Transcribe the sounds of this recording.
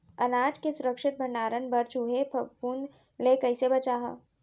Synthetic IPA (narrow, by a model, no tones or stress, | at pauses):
ɐnaːd͡ʒkesʊɾəkʃɪt̪̚bʱɐɳɖaːɾənbɐɾt͡ʃuɦepʰɐpuːnd̪ | lekɐɪsebɐt͡ʃaːɦa̰